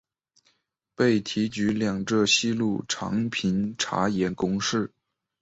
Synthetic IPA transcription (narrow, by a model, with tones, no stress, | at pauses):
pe˥˩ɪt̪ʰi˧˥t͡ɕy˧˥ljɑ˨˩ŋʈ͡ʂɤ˥˧ɕi˥lu˥˩ʈ͡ʂʰɑ̰˧˥ŋpʰi˧˥nʈ͡ʂʰa̰˧˥jɛ˧˥nkʊ˥ŋʂɻ̩˥˩